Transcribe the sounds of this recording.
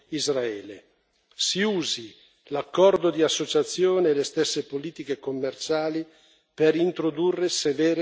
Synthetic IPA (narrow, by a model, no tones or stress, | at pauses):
izraɛːlḛ | siuːzi | lakːɔrd̪od̪iasːot͡ʃat̪sːjoːneːlest̪esːepoliːt̪ikekomːert͡ʃaːli | peɾint̪ɾod̪urːesevɛːɾe